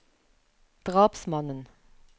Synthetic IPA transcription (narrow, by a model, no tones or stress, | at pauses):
d̪̥ʁɑːpsmɑnən